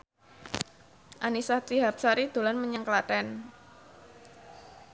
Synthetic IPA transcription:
ʔanisat̪iɦap̚saɾid̪̥o̤lanməɲəŋklat̪ɛn

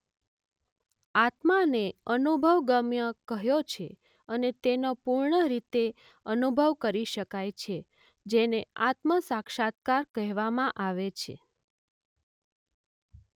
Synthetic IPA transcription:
at̪maneənubʱəʋɡəmjəkəɦjot͡ʃʰe | ənet̪enopuɾɳəɾit̪e | ənubʱəʋkəɾiʃəkajt͡ʃʰe | d͡ʒeneat̪məsakʃat̪̚kaɾkəɦʋamãʔaʋet͡ʃʰḛ

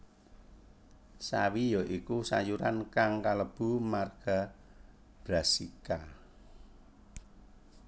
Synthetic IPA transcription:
sawijɔʔikusa̰juɾankaŋkaləb̥ṳmarɡ̥a̤ | b̥ɾasika

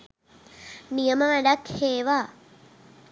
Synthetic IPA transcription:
nijəməʋæɖakheːʋa

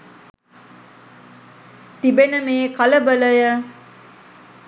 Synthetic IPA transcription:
t̪ibenəmeːkɐləbələjə

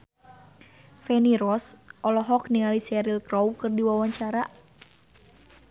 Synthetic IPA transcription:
fɛniɾɔsʔɔlɔɦɔkniŋalisɛɾilkɾɔwkɨrdiwawaɲt͡ʃaɾa

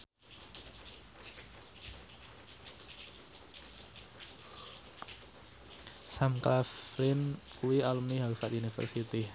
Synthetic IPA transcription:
samklafɾɪn | kuialumniɦaufat̪unifə̰rsit̪i

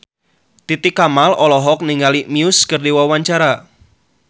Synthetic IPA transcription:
t̪it̪ɪkamalɔlɔɦɔk̚niŋalimiʊskərdewɔwaɲt͡ʃaɾa

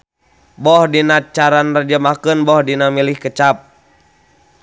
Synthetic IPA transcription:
bɔhdinat͡ʃaɾanrad͡ʒamakənbɔhdinamilihkət͡ʃap̚

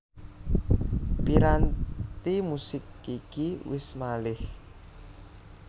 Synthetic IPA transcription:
piɾant̪imusɪkikiwɪsmalɪh

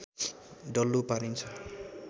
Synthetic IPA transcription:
ɖʌlːupaɾint͡sʰʌ

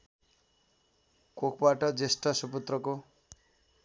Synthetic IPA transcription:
kokʰbaʈʌd͡zesʈʌsuput̪rʌko

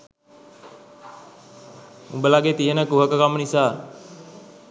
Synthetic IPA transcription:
ubəlaɡet̪iɦənəkuɦakəkamənisa

